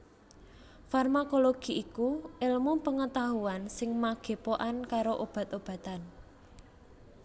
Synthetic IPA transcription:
farmakoloɡ̥i̤ʔikuʔɪlmupəŋət̪aɦuansɪŋmaɡ̥e̤poʔankaɾoʔob̥a̤t̪ob̥ä̤t̪an

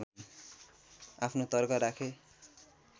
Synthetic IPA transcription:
apʰnot̪ʌrkʌɾakʰe

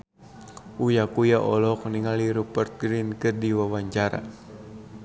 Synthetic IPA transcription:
ujakujaʔɔlɔk̚niŋaliɾupərt̪̚ɡɾinkɨrdiwawaɲt͡ʃaɾa̰

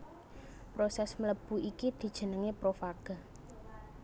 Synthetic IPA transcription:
pɾosɛsmələb̥ṳikid̪̥i̤d̥ʒ̥ə̤nəŋepɾofaɡ̥a̤

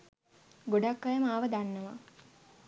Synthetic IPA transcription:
ɡoɖakːajəmaːʋəd̪anːəʋa

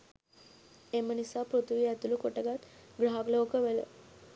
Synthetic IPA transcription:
emənisapɾut̪ʋijat̪ulukoʈəɡat̪ɡɽaɡləwkəʋelə̰

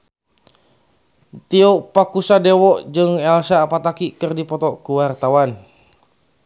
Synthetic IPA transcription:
t̪ioʔpakusadewɔʔd͡ʒəŋɛlsapat̪akiʔkərdipɔt̪ɔʔkəwart̪awan

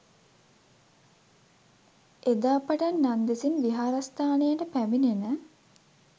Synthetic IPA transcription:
ed̪aːpaʈanːand̪esinʋiɦaːɾast̪aːnejəʈəpæminenə

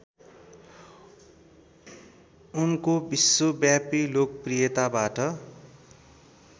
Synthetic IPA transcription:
unkobisːobjapilokprijʌt̪abaʈʌ

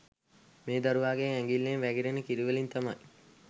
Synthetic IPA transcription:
meːd̪ɐɾuʋaːɡeŋæŋɡilːeːnʋæɡiɾenəkiɾiʋelint̪ɐmɐj

